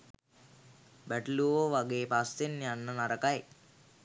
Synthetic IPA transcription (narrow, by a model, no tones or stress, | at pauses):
bæʈluoːʋaɡeːpast̪enːianːənaɾɐkaj